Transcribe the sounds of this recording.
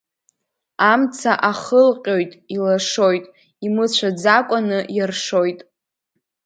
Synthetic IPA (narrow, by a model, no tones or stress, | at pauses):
amt͡sʰaʔaχəlqʲʼo̞jtʼilaʂojtʼ | imɨt͡ɕʷʰad͡zakʷʼanɨjarʂo̞jtʼ